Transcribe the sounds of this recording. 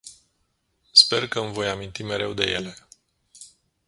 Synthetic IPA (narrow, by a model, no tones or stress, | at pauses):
spe̞rkəɨmvo̞jamint̪ime̞ɾe̞wd̪e̞je̞le̞